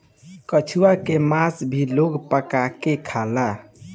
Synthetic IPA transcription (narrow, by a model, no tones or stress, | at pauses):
kət͡ʃʰuakemasbʱiloɡpəkakekʰala